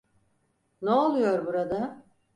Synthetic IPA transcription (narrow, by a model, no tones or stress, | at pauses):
neolˠujo̞ɾbuɾad̪a